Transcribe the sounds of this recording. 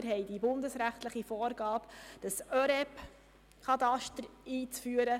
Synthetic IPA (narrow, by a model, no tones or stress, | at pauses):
əɾɦɛɪd̥ibʊndəsɾæχtləχifɔːɾɡɑːpd̥ɑsœɾɛp | kʰɑtɑʃtəɾiːt͡sfyːəɾə